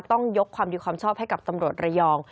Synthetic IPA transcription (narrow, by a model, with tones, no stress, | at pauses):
t̪ɔ˥˩ŋjo˦˥kʰwaː˧mdiː˧kʰwaː˧mt͡ɕʰɔː˥˩p̚ɦa˥˩jka˨˩p̚t̪a˧mɾu˨˩ət̪̚ɾa˧jɔː˧ŋ